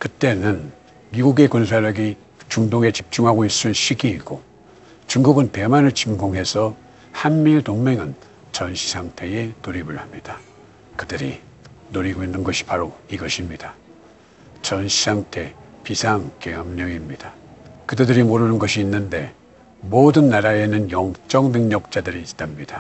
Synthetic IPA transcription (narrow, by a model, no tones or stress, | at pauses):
kɯt͈e̞nɯn | miɡuɡe̞kʌns̬ʰaɾʌɡi | t͡ɕuŋdoŋe̞t͡ɕip̚t͡ɕ͈uŋɦaɡois͈ɯmɯnɕʰiɡiːɡ͈o | t͡ɕuŋɡuɡɯnpe̞manɯɭt͡ɕimɡoŋɦe̞sʰʌ | hanmiɭtoŋme̞ŋɯn | t͡ɕʌnɕi̥sʰaŋtʰe̞enoɾibɯɭhamɲid̥a | kɯdɯɾḭ | noɾiɡoinːɯnɡʌɕʰi̥paɾoiɡʌɕʰimɲida | t͡ɕʌnɕisʰaŋtʰe̞ | pisʰaŋkeɦamɲʌɡimɲid̥akɯtedɯɾimoɾɯnɯnɡʌɕʰiːnːɯnde̞ | modɯnːaɾae̞nɯnjʌŋt͡ɕ͈ʌŋnɯŋɲʌk̚t͡ɕ͈adɯɾiːt͈amɲid̥a